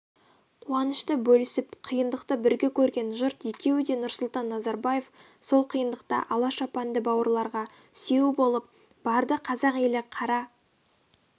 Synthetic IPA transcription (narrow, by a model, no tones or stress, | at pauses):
qʰuɑnəʃt̪əbɵlɪsɪpqʰijənd̪əqt̪əbɪɾɡʲekʲʰɵɾɡʲe̞nʒʊɾt̪je̞kʲe̞wɪd̪e̞nʊɾsʊlˠt̪ɑnːɑzɑɾbaje̞f | so̞lˠqʰijənd̪əq̚t̪ɑ̰ʔɑlˠɑʃɑpɑnd̪əbɑwəɾlˠɑɾʁɑ | sewɪbo̞lˠəp̚ | b̥ɑɾd̪əqʰɑzɑqe̞lɪqʰɑɾɑ